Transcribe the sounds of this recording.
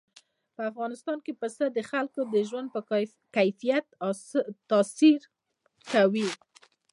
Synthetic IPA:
pəafɣɑnɪst̪ɑnkepəsəd̪əxalkod̪əʒwand̪̚pə | kajfijat̪t̪ɑsiɾ | kawi

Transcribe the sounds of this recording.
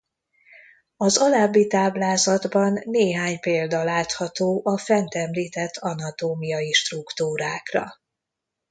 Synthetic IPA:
ɒzɒlabːit̪aːblaːzɒd̪bɒnːeːɦaːɲpeːld̪ɒlaːt̪hɒt̪oːʔɒfɛnt̪ɛmliːt̪ɛt̪ʰːɒnɒt̪oːmijɒjiʃt̪rukt̪uːɾaːkrɒ̰

